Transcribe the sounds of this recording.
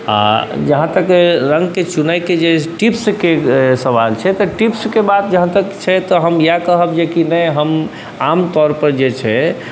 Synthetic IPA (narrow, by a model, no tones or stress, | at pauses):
a̰d͡ʒəɦãt̪əkɾəŋɡket͡ʃunəjked͡ʒeʈipskesəbalt͡ʃʰɛt̪ɔʈipskebad̪̚d͡ʒəɦãt̪əkt͡ʃʰɛt̪ɔɦəmjakəɦəbd͡ʒekinəjɦəm | amt̪ɔɾpəɾd͡ʒet͡ʃʰɛ